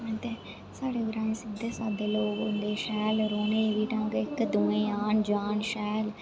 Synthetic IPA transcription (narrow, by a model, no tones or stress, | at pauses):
ət̪eː | saːɽeːəɾaːnẽːsɪd̪eːsaːɖeːloːɡʊnd̪eːʃɛːlɾoːneːʋiːʈə̃ŋɡɪkd̪uːẽːaːnd͡ʒaːnʃɛːl